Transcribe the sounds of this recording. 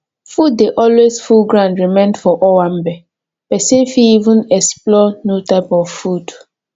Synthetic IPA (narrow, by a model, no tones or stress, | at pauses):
fudːeʔɔlwesfulɡɹãndɹimẽndfɔʔɔwãmbɛ | pɛsẽnfiivũnɛksplɔnjutaɪpɔvfud